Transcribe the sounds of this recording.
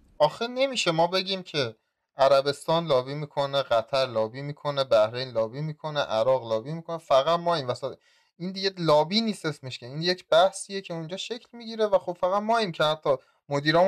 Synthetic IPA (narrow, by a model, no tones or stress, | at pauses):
ʔɒːxene̞miːʃe̞mɒːbeɟʲiːmcʰe̞ | æɾæbe̞st̪ɒːnlɒːbiːmiːkʰo̞neɢæt̪ʰæɾlɒːbiːmiːkʰo̞nebæhɾe̞jnlɒːbiːmiːkʰo̞neʔæɾɒːɣlɒːbiːmiːkʰonefæɣæt̪mɒːiːmvæsæ | ind̪iɡelɒːbiːniːse̞sme̞ʃcʰe̞iːnje̞cʰb̥æhsiːjecʰe̞und͡ʒɒːʃe̞cʰlmiːɟiːɾevæxob̥fæɣæt̪mɒːiːmcʰe̞hæt̪ʰːɒ | mod̪iːɾɒː